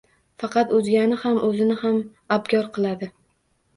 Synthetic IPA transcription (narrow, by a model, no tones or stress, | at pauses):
fɑqʰɑt̪ɵzɡʲanɪhamʔɵzɪnɪham | abɡʲɒɾqʰɨlˠad̪ɪ